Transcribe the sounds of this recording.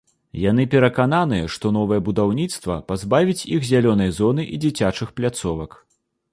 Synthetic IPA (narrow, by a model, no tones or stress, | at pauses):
jan̪ɨpʲɛɾɐkananɨjɛʂt̪ɔnɔvɨjɐbud̪awnʲit̪st̪vɐ̰pazbavʲit͡sʲixzʲalʲɔnɐjzɔnɨʔid͡zʲit͡sʲat͡ʂɨxplʲat̪sɔvɐk